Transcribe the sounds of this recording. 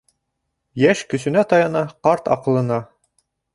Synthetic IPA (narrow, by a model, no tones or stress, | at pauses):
jæʃkɵ̆sɵ̆næt̪ɑjɑnɑqɑɾt̪ɒ̰qɤ̆lˠɤ̆nɑ